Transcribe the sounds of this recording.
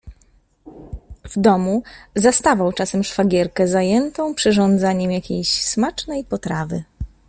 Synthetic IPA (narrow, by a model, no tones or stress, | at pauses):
vd̪ɔmuzast̪avawt͡ʂasɛmʂfaɡʲɛɾkɛzajɛnt̪ɔ̃w̃pʂɘʐɔ̃nd̪zaɲɛmjakʲejɕsmat͡ʂnɛjpɔt̪ɾavɘ̰